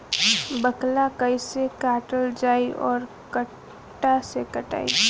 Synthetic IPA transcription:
bəklakəisekaːʈəld͡ʒaːiɔːɾ | kəʈː | asekəʈa̰ːḭ

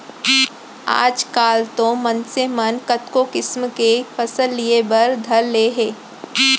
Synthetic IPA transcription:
a̰ːd͡ʒkaːlt̪omɐ̃nsemɐnkɐt̪kokɪsmkefʰɐsəlːiebɐɾd̪ʱɐɾleːɦeː

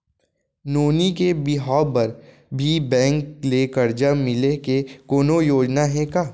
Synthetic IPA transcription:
noːnikebɪɦaːbɐɾ | bʱibɛ̃ːŋklekɐɾd͡ʒamɪlekekoːnojoːd͡ʒnaɦɛ̃kaː

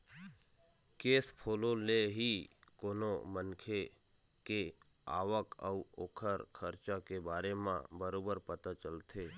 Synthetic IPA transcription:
keːspʰoːlõleɦikoːnomənkʰe | ke | a̰ːʋəkə̰uoːkʰəɾkʰəɾt͡ʃakebaːɾemã̰bəɾoːbəɾpət̪at͡ʃəlt̪ʰeː

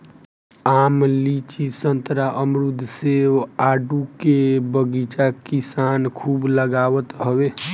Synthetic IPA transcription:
amlit͡ʃisənt̪ɾaʔəmɾud̪ʱːseʋaɖukebəɡit͡ʃakisankʰubləɡaʋət̪ɦəbe

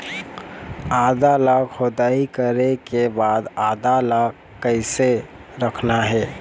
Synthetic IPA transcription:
aːd̪alakhod̪aikəɾekebad̪aːd̪alakːəɪseɾəkʰnaɦɛː

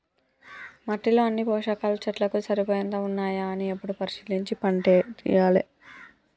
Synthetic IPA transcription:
mɐʈːilo̞ːɐnːipɔːʂakaːlɐt͡ʃɐʈlɐkusɐɾipoːjɐnd̪oːunːaːjaɐniepːuɽupɐɾiʃiːliɲt͡ʃipɐɳʈeːt̪ḭjaːlḛ

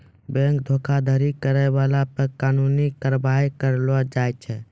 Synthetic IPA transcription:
bɛ̃ŋkd̪ʱokʰad̪ʱəɾikəɾɛjbalapəɾkanunikəɾbaikəɾlɔd͡ʒajt͡ʃʰɛ

